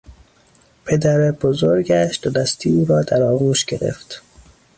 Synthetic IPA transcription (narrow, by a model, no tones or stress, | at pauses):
pʰe̞d̪æɾeb̥ozoɾɟæʃd̪̥od̪æst̪ʰiːuːɾɒːd̪æɾɒːɣuːʃɡe̞ɾḛft̪